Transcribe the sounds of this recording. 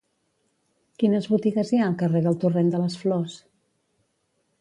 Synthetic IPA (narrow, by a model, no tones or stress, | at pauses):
kinəzβut̪iɣəziaəlˠkəreðəlˠt̪urend̪ələsflɔs